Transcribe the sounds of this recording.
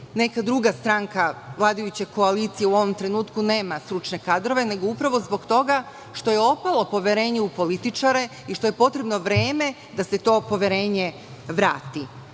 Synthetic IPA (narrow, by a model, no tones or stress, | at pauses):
ne̞kad̪ɾuɡast̪ɾaŋkaʋlˠaːd̪ajut͡ɕeko̞aliːt̪sijeuo̞ʋo̞mt̪ɾe̞nuːt̪kune̞ːmast̪ɾut͡ʃne̞kad̪ɾo̞ʋe̞ne̞ɡo̞upɾaʋo̞zbo̞ɡt̪o̞ɡa | ʃt̪o̞je̞o̞palˠo̞po̞ʋjeɾe̞ːɲeupo̞lit̪it͡ʃaɾe̞ | iʃt̪o̞je̞po̞t̪ɾe̞bno̞ʋɾe̞ːme̞ | d̪ase̞t̪o̞ːpo̞ʋjeɾe̞ːɲe | ʋɾa̰ːt̪i